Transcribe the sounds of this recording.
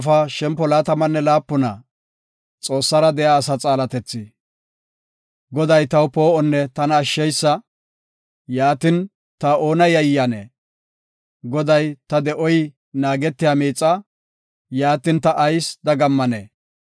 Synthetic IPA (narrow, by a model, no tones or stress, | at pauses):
fɐʃɛmpːɔlaːt̪ɐmɐnːɛlaːpːʊnɐ̰ | t͡sʼo̞ːsːɐɾɐd̪ɛjaːsɐt͡sʼaːlɐt̪ɛt͡sːɪ | ɡɔd̪ɐjt̪ɐwpoːɔnːɛt̪ɐnɐːʃːɛjsːɐ | jaːt̪ɪn | t̪ɐo̞ːnɐjɐjjɐnḛː | ɡɔd̪ɐjt̪ɐd̪ɛʔɔj | naːɡɛt̪ːɪjaːmiːt͡sʼːɐ | jaːt̪ɪnt̪ɐʔːjsd̪ɐɡɐmːɐnḛː